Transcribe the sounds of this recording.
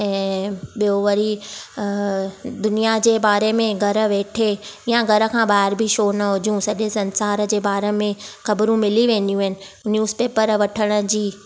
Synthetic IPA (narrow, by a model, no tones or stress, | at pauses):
ɛ̃ːɓijoʋəɾi | d̪ʊnijad͡ʑeːbaːɾemẽɡʱɐɾə̆ʋeːʈʰejãɡʱɐɾə̆kʰãːbaːɦɪɾbʱiʃoːnɐɦʊd͡ʑũsɐʄesɐ̃nsaːɾd͡ʑeːbaːɾemẽxɐbɾũmɪliʋẽːnd̪ijũɦɪnɪ̆ | njuːzpeːpəɾʋɐʈʰəɽ̃ə̆d͡ʑiː